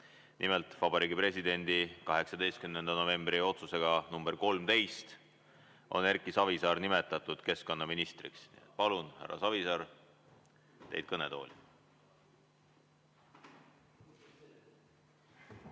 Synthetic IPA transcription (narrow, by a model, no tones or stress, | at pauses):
nʔimelt̪vɑbɑɾiːɡipre̞sid̪e̞nʲd̪̥ikɑɦe̞ksɑd̪e̞jst̪̚kymnend̪̥ɑno̞ve̞mb̥rio̞t̪suse̞ɡ̥ɑnumb̥e̞rko̞lmt̪e̞jst̪ | ʔo̞̰nærkːˑisɑvisɑːɾnime̞t̪ːˑɑt̪ːˑud̪̥ke̞sko̞nːɑminist̪rḭksnḭet̪̚pɑlunhæ̰ɾːɑ̰sɑvisɑr | t̪ejd̪̚kɤne̞t̪o̞̰ːlʲi